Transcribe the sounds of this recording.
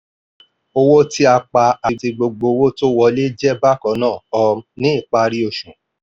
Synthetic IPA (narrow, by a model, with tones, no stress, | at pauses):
o˧wo˦ti˦a˧k͡pa˧a˨˧ti˧ɡ͡bo˧ɡ͡bo˧wo˦to˦wɔ˧le˦d͡ʒɛ˦ba˦kɔ̃˨˦nãː˦˨ɔ˧mnĩ˦i˦˨k͡pa˧ɾi˧˦o˧˨ʃũ˨